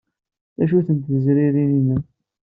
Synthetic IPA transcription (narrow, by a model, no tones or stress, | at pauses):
æʃuθənt̪əzɾiɾininæ